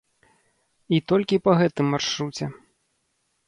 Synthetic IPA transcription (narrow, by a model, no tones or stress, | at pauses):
it̪ɔlʲkʲipɐɣɛt̪ɨmːarʂɾut͡sʲɛ